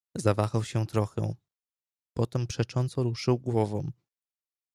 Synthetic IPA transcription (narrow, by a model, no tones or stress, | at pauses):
zavaxawɕɛt̪ɾɔxɛ̰̃ | pɔt̪ɛmpʂɛt͡ʂɔnt̪sɔɾuʂɘwɡwɔvɔ̃